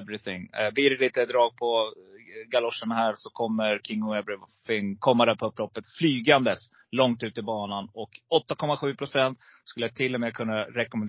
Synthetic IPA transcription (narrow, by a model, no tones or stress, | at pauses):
vɾɪθɪŋbiːɾɛlit̪əd̪ɾɑːɡ̚pʰɔ | ɡalɔʂːənahæːɾsɔkʰɔmːəɾkʰɪŋːʊɛvɾɪfɪŋkʰɔmːad̪ɛpʰɔɵpːlɔpːət̪flyːɡand̪əs | lɔŋt̪ʉ̟ːt̪əɪbɑːnanɔkɔt̪ːakʰɔmːaɧʉ̟ːpʰɾʊsɛnt̪ | skɵləjat̪ʰɪlːɔmeːkʰɵnːaɾɛkɔmɛn